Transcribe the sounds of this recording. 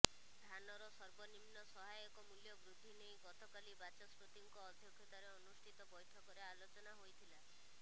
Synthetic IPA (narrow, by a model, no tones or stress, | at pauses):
d̪ʱanɔɾɔsɔɾbɔnimnɔsɔɦajɔkɔmuljɔbɾud̪ʱːinejɡɔt̪ɔkalibat͡ʃɔsput̪iŋkɔːd̪ʱjɔkʰjɔt̪aɾeɔnusʈʰit̪ɔbɔjʈʰɔkɔɾeːlot͡ʃɔnaɦojt̪ʰila